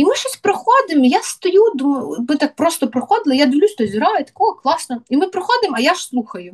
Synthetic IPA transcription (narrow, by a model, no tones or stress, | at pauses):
imɪʃɔsʲpɾɔxɔd̪ɪmjast̪ɔjud̪ummɪt̪ak̚pɾɔst̪ɔpɾɔxɔd̪ɪlˠɪjad̪ɪʋlʲusʲt̪ɔzʲiɾɑjɛt̪ɐ̥kɔɦɔklˠɑsnɔimɪpɾɔxɔd̪ɪmɐjaʃslˠuxɐjʊ